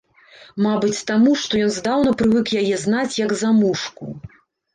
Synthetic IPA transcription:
mabɨt͡sʲt̪amuʂt̪ɔjɔnzd̪awnɐpɾɨvɨkjajɛznat͡sʲjɐɡzamuʂkṵ

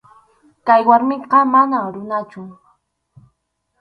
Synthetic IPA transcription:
kajwaɾmɪqɑmanaɾʊnat͡ʃʊ

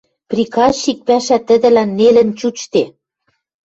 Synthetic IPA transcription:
prʲikɑik̚pæʃæt̪ə̆d̪ɘ̆lænːelɘ̆nt͡ɕut͡ɕt̪e

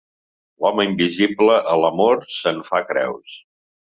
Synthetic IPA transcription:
lɔməimbizibləʔələmoɾsənfakɾɛ̰ws

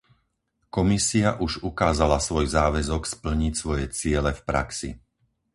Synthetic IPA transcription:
kɔmisiaʔuʒukaːzalasʋɔjzaːʋɛzɔkspl̩ɲicsʋɔjɛt͡sɪɛlɛfpɾa̰ksḭ

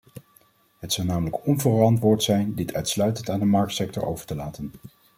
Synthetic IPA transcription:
ɦətsɑwnaːmələkɔnvərɑntʋʊːɹtsɛjndɪtʰœɥtslœɥtəntaːndəmɑɹk̚tsɛktɔ̰ɹʔo̰wvə̥ɹtəlaːtən

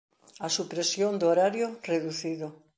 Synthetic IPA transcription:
asupɾesjond̪ooɾaɾjoreðuθiðo

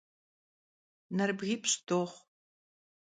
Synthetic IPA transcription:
nɐrbɣiːpʰɕdoːχʷ

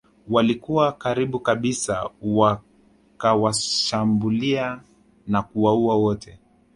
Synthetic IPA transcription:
walikuwakaɾiɓukaɓisa̰wa | kawaʃambulia | nakuwauawɔtʰɛ

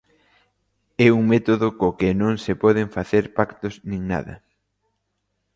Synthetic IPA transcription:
ɛuŋmɛt̪oðʊkokɪnõŋsepɔð̞eŋfaθeɾpakt̪ʊznĩŋna̰ðɐ̰

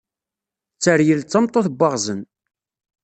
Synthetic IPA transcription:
t͡sːəɾjəlt͡sːəmt̪ˤoθbʷːɑʁzən

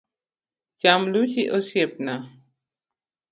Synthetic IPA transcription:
d͡ʒamlut͡ʃiʔosjep̚na

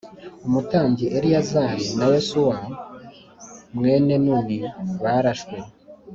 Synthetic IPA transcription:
umutaːɲɟiʔeɾijazaɾinawesuwa | mŋe̞ːne̞nuːniwaɾaʃwe

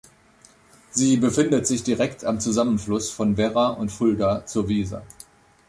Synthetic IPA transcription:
ziːbəfɪndətz̥ɪçd̥iʁɛktʰamt͡suzamənflʊsfɔnvɛʁaʔʊntfʊldat͡suːɐviːza̰

